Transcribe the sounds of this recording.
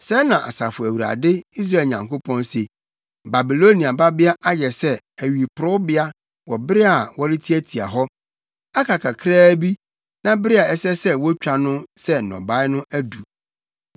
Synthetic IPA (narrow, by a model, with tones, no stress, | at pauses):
sɛ˦nã˨ʔa̰˨sa˨fʊ˨æ˨wu˨ɾa̰˨dɪ˦i˦s̬ɾa˦˨lɲã˨ŋko˦pʰɔ̃˦nse˨ | ba˨bi˨lo˦ni˨a˨ba˦bɪ˦a˦ʔa˦jɛ˨sɛ˦ | æ˨ɥi˨pʰʊ˨ɾʊ˦bɪ˦a˦ | wɔ˨bɪ˦ɾɪ˦a˨wɔ˦ɾɪ˦tʰi˦æ˦tʰi˨a̰˨ɦɔ˦ | a˦kʰa˨kʰa˨kʰɾaː˦bi˦ | nã˦bɪ˦ɾɪ˦a˨ɛ˦sɛ˦sɛ˦wɔ˦t͡ɕᶣa˨nʊ̃˦sɛ˦n˨nɔ̰̃˨ba˨˦ɪ˦nʊ̃˦ʔæ˦du˨